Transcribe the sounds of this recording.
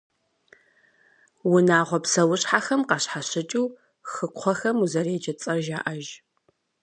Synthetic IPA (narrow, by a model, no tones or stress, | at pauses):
wʊnaːʁʷɔpsɐwʊɕħaxɐmqɑɕħaɕɪt͡ʃʼuː | xɨkʷʰɔxɐmuzɐreːt͡ʃɐt͡sʼɐrʒaːʔɐʒ